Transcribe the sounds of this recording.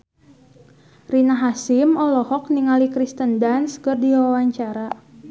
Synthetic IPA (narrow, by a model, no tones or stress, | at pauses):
rinaɦasimɔlɔhɔk̚niŋalikɾist̪əndanskərdiwawaɲt͡ʃaɾa